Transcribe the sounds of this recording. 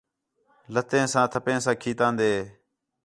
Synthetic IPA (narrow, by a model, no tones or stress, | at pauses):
lət̪ẽːsãːt̪ʰəpẽːsãːkʰiːt̪ãːnd̪eː